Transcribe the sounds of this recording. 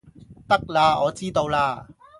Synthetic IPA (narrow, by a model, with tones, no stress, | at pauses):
t̪ɐ˥k̚laː˧ɔː˨˧t͡siː˥t̪o˧wlaː˧